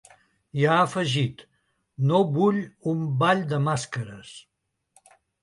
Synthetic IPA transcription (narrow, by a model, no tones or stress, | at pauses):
jaəfəʒit̪ | noβuʎumbaʎd̪əmaskəɾəs